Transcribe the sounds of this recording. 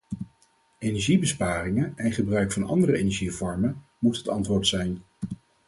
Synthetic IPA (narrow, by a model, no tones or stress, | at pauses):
ejnɛɹʒibəspaːrɪŋəɛnχəbrœɥkfɑnɑ̰ndərəejnɛɹʒivɔɹmən | mutɦətɑntʋʊːɹtsɛjn